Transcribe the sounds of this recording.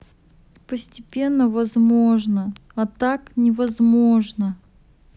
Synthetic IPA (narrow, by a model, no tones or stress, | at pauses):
pəsʲtʲɪpʲe̞nːəvɐzmo̞ʐnəɐt̪aknʲɪvɐzmo̞ʐnə